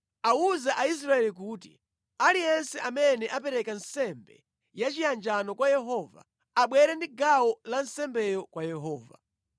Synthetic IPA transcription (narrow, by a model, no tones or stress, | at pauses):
auzaʔais̬ɾaɛlik̬uːtḭ | alijɛnsɛʔamɛnɛʔapɛɾɛkansɛmbɛ̰ | jat͡ʃijand͡ʒanɔkwajɛɦɔva̰ː | ɓwɛɾɛndiɡawɔlansɛmbɛjɔkwajɛɦɔːva̰